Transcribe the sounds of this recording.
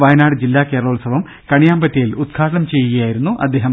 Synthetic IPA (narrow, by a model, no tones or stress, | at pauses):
ʋɐjɐnaːɽɨd͡ʑilːaːke̞ːɾɐɭoːɭsɐʋɐm | kɐɳijaːmbɐtːɐjilud̪̚ɡʰaːʈɐɳɐmt͡ɕe̞jːɣijaːjiɾunːuʔɐ̰d̪ːe̞ːɦɐm